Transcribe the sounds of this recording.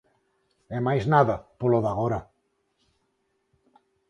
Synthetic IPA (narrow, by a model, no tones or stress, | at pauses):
emajznaðapoloðaɣ̞oɾa